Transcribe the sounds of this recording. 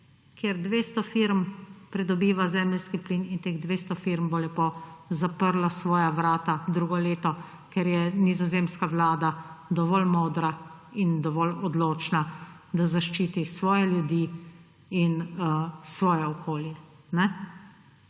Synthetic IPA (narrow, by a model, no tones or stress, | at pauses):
kjeɾd̪ʋeːst̪ɔfiɾmpɾɛd̪ɔbiːʋazɛːmlskipliːnint̪eːɣd̪ʋeːst̪ɔfiɾmbɔlɛpozapəɾlɔsʋɔːjaʋɾaːt̪ad̪ɾuːɡɔleːt̪ɔ | kɛɾjɛnizɔzeːmskaʋlaːd̪ad̪ɔʋɔlmoːd̪ɾaind̪ɔʋɔlɔd̪loːt͡ʃna | d̪azaʃt͡ʃiːt̪isʋɔːjɛljud̪iː | inəsʋɔːjɛɔkʰoːljɛ | nɛ